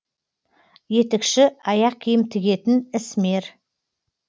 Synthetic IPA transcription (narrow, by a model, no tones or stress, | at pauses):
je̞t̪ekʃɪɑjɑq̚kʲʰijɪmt̪ʰɪɡʲe̞t̪ɪnɪsmeɾ